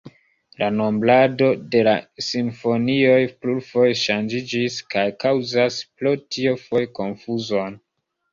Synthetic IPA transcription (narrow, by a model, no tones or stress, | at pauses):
lʔano̞mblado̞de̞lasinfo̞nio̞jpluɾfojeʃand͡ʒid͡ʒiskajkawzasplotio̞fo̞jko̞nfuzo̞n